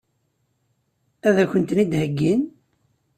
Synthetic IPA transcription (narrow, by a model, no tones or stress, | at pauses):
æðæçənt̪nid̪həɡːin